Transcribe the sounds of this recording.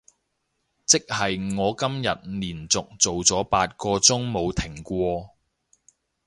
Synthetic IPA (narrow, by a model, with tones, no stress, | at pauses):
t͡sɪ˥k̚hɐ˨jŋɔː˨˧kɐ˥mjɐ˨t̚liː˨˩nt͡sʊ˨k̚t͡so˨wt͡sɔː˨˥paː˧t̚kɔː˧t͡sʊ˥ŋmo˨˧wt̪ʰɪ˨˩ŋkʷɔː˧